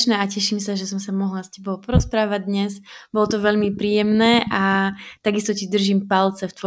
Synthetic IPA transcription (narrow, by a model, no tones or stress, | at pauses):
ʃnɛːacɛʃiːmsaʒɛsɔmsamɔɦlascɛbɔʊpɔɾɔspɾaːʋaɟ̚d̪ɲɛzbɔlɔt̪ɔʋɛʎmipɾiːjɛmnɛːʔat̪aɡist̪ɔcid̪r̩ʒiːmpalt͡sɛft̪ʋɔ